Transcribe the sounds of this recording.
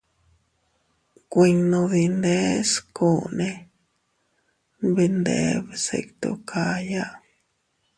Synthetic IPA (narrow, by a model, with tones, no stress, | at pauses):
kʷi˧nõ˧ði˧nd̪e˦sko˦˨nẽ˧ | βi˧nd̪ḛ˦βsḛ˧kt̪o̰˧kʰa˧ja˦ʔ